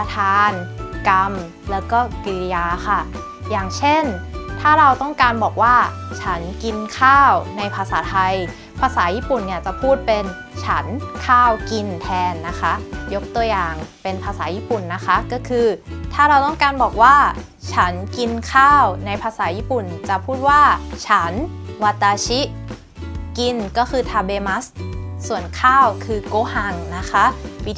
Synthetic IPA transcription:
pa˧t̪ʰaː˧nka˧m | lɛː˦˥wkɔː˥˩ki˧li˧jaː˧xʰa˥˩ | jaː˨˩ŋt͡ɕʰe˥˩nt̪ʰaː˥˩ɾa˧wt̪ɔ˥˩ŋkaː˧nbɔː˨˩k̚waː˥˩t͡ɕʰa˦˥nki˧nkʰaː˥˩wna˧jpʰaː˧saː˩˦t̪ʰa˧j | pʰa˧saː˩˦jiː˥˩pu˨˩nːi˥˩t͡ɕa˨˩pʰuː˥˩t̪̚pe˧n | t͡ɕʰa˦˥nkʰaː˥˩wki˧nt̪ʰɛː˧nːa˦˥kʰa˦˥jo˦˥k̚t̪u˧ɐjaː˨˩ŋpe˧npʰaː˧saː˩˦jiː˦˥˩pu˨˩nːa˦˥kʰa˦˥kɔː˥˩kʰɯː˧t̪ʰaː˥˩ɾa˧wt̪ɔ˥˩ŋkaː˧nbɔː˨˩k̚waː˥˩ | t͡ɕʰa˦˥nki˧nkʰaː˥˩wna˧jpʰaː˧saː˩˦jiː˥˩pu˨˩nt͡ɕa˨˩pʰuː˥˩t̪̚waː˥˩t͡ɕʰa˦˥nwa˧t̪ːaː˧t͡ɕʰi˦˥ʔ | ki˧nkɔː˥˩kʰɯː˧t̪ʰaː˧beː˧ma˦˥ssu˨˩ənkʰaː˥˩wkʰɯː˧koː˧˥ha˧˩ŋna˦˥kʰa˦˥ʔwi˦˥

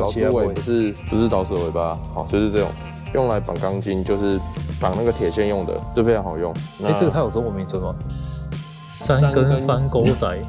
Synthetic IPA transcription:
lɑ˨˦˨we˧˩pu˨˩ʂɻ̩˥˩pu˨ʂ̬ɻ̩˥˩t̪ɑ˧˥ʊsə˨˩we˨˧˩ɪba˨hɑ˨˩ʊt͡ɕjo˥˧ʂɻ̩˥˧t͡sɤ˥˩ʈ͡ʂʊ̰˨˩ŋ | jo˥˩ŋla˧˦ɪpa̰˨˩ŋkɑ˦ŋt͡ɕi˦nt͡ɕjo˥˧ʊʂɻ̩˥˩pɑ˨˩ŋna˥˩ɡə˩t̪ʰjɛ˨˩ɕjɛ˥˧njʊ˥˩ŋd̪ə̰˨˩t͡ɕfe˥˩ja˧˥ŋha˨˩ʊjʊ˥˩ŋna˧˥˧ʈ͡ʂə˥˩ɡə˩tʰa˥jo˨˩ʊt͡swɔ˨˩mi˧˦nt͡swə˧˥nma˨˩ | sa˦nkə˦˥n˦pa˦nko˥ʊt͡sa˨˩˦ɪ

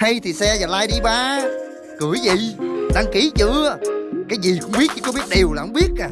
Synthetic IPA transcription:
ha˧jt̪ʰi˨˩sɛ˧zaː˨˩laː˧jɗi˧ɓaː˨˦ | kɨ˨˧˩əjzə̰˧˨jɗaː˧ŋki˧˦t͡ɕɨ̰˧˨kaː˨˦jzi˨˩kʊ̰˧˥ŋ͡mɓi˦˥t̚t͡ɕɨ̰˧˦kɔ˧˦ɓi˦˥ət̚ɗe˨˩əwlaː˨˩ʔə˧˦wŋ͡mɓi˦˥ət̚kaː˨˩

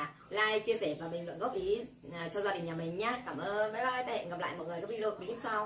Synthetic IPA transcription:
laː˧jt͡ɕi˧əsɛ˧˩vaː˨˩ɓi˨˩ŋlwə̰˧˨nɣɔ˦˥p̚ʔi˨˦˨ | t͡ɕɔ˧wzaː˧ɗi˨˩ŋ̟ɲaː˨˩mï˨˩ŋ̟ɲaː˨˦kaː˧˩mʔəː˧nvaː˨˦jaː˧˩aː˨˦t̪aː˧hɛ̰˧˨nɣa˨˩pla̰ː˧˨jmɔ̰˧˨jŋɨ˨˩əkaː˨˦˥wi˧lo˧˩wi˨˦ɲ˨˦sa˧w

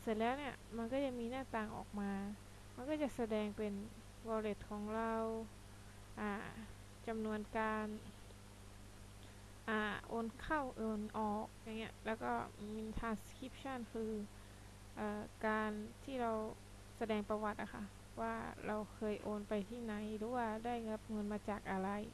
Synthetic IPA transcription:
se˧˩lɛː˦˥˩wniː˦˥˩ɐma˧nkɔː˥˩t͡ɕa˨˩miː˧naː˥˩t̪aː˧ŋʔɔ̰ː˨˩k̚maː˧ | ma˧˨nkɔː˥˩t͡ɕa˨˩ʔsa˧dɛː˧ŋpe˧n | wɔː˧le˧˩t̪̚kʰɔː˩˦ŋɾa˧w | ʔaː˧˩ | t͡ɕa˧mnu˧ənkaː˧n | ʔaː˧˩ʔoː˧nkʰa˥˩wʔɤː˧˩nʔɔː˨˩k̚ɲa˧ŋːi˦˥ɐ˦˨ʔlɛː˧˥wkɔː˧˥˩mi˧nt̪ʰaː˧nskʰi˦˥p̚sʰa˥˩˨nkʰɯː˧ | ʔaː˧˩kaː˧nt̪ʰiː˥˩ɾa˧w | sa˧dɛː˧ŋpa˧wa˧t̪̚ʔa˨˩kʰa˧˥˩ | waː˧˩ɾʔa˧wkʰɤː˧jʔoː˧npa˧jt̪ʰiː˥˩na˨˦jlɯː˨˦waː˧˩daː˥˩jŋɤ˧˥p̚ŋɤ˧˨nmaː˧t͡ɕaː˨˩k̚ʔa˧ɾa˧j

